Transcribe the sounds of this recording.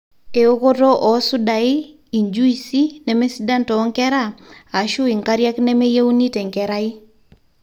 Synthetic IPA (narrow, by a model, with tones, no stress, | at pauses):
e˨o˦ko˦to˦ʔɔ˨˦sʊ˦da˨ɪ˦ | i˨ɲd͡ʒu˦i˨si˦nɛ˨me˦si˦da˦ntɔ˨ɔ˦ŋkɛ˦ɾa˦a˨ʃʊ˦i˨ŋka˦ɾja˦knɛ˦me˦je˦u˦ni˦te˨ŋkɛ˨ɾa˦ɪ˦